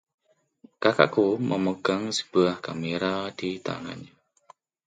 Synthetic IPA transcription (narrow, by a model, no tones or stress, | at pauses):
kaka̰ʔkuməməɡaŋsə̥b̥uahkameɾadit̪a̰ŋa̰na